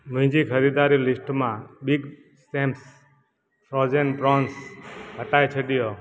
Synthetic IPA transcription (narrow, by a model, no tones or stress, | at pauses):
mũĩd͡ʒikʰəɾid̪aɾilɪsʈmãbiɡ | sʈẽmps | fɾɔd͡ʒenpɾɔnsɦəʈajt͡ʃʰəɖijo